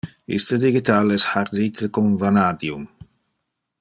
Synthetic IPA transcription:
ḭst̪əd̪iɡit̪alɛsħaɾd̪it̪ʰəkonvanad̪jum

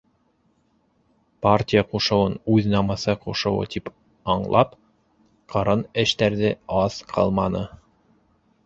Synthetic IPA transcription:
partʲijəquʃɤ̆wɤnʉðnɑmɤ̆sɤquʃɤ̆wɤ̰t̪ʰip | ɑɴlˠɑp | qʰɤ̆ɾɤnɘ̆ʃt̪æɾðɘɑzqʰɑ̰lˠmɑnɤ

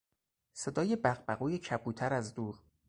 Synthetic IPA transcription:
se̞d̪ɒːje̞bæɣbæɣuːjecʰæbuːt̪ʰæɾæzd̪uːɾ

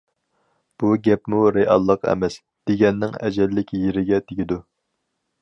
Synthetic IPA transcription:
b̥uɡʲɛpmuɾeʔɑ̰lˠːəqɛ̰mɛs | d̪̥eɡʲɛnːɪŋɛ̰d͡ʒɛlːɪkʲjeɾɪɡʲɛt̪ʰeɡʲɪd̪u

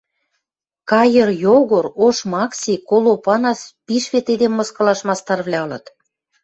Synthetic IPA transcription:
kɑjərjoɣoɾoʃmɑksʲikolopɑnɑspiʃβet̪ed̪emːɤ̆skɤ̆lɑʃmɑst̪ɑrβlʲɑɤ̆lɤ̆t̪

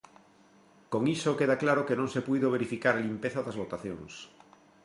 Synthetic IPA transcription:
koŋisokeðaklaɾokenõŋsepujðoβ̞eɾifikaɾalimpeθaðɐzβot̪aθjo̰ŋs

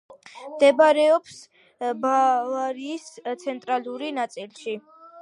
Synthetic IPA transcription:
md̪ɛbaɾɛɔps | bavaɾiːst̪sʰɛnt̪ʼɾaluɾinat̪sʼilˠʃi

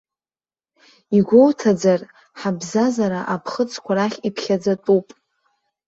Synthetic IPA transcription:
iɡʷo̞wtʰad͡zar | ħabzazaɾaʔapʰχət͡sʰʼkʷʰaɾaχʲipʰχʲad͡zatʼupʼ

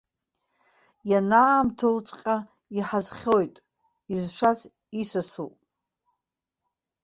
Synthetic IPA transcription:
janaːmtʰolt͡sʷʼqʲʼa | iħazχʲojtʼ | izʂaz | isasṵpʼ

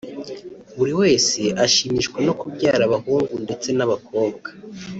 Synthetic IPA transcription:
βuɾiwe̞ːse̞ʔaʃimiʃkweno̞kubɟaːɾaβahuːŋɡunde̞t͡se̞naβak̚o̞ːbɡḁ

